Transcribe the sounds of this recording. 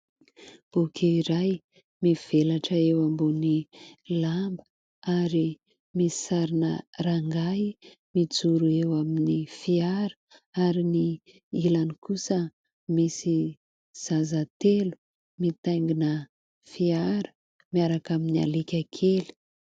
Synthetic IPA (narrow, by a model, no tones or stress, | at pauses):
b̥ukʲeiɾaj | miv̥elaʈ͡ʂəewambonilambə | aɾi | misi̥saɾinəraŋɡa | mid͡zuɾuewaminifiaɾə̥aɾini | ilanikusə | misi | z̥azat̪elu̥ | mit̪ajŋɡinə | fiaɾə̥ | miaɾakaminia̰likʲakʰeli̥